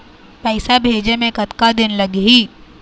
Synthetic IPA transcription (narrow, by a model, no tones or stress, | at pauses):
pɛːsabʱeːd͡ʒemẽkɐt̪kad̪ɪnlɐɡɦiː